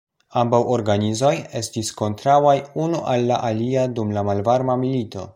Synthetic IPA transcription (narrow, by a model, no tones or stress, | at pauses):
ambawʔoɾɡanizo̞je̞stisko̞ntɾawajunuʔalːa̰ʔaliadumlamalvaɾmamilito̞̰